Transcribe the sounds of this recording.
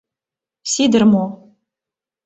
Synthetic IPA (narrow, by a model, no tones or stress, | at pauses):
sid̪ɨrmo